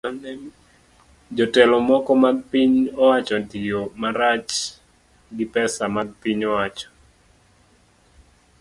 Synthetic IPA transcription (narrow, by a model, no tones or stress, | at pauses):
nɛ | d͡ʒɔtɛlɔmɔkɔmaɡ̚piɲɔwat͡ʃɔdiomaɾat͡ʃ | ɡɪpɛsamaɡ̚piɲɔwat͡ʃɔ̥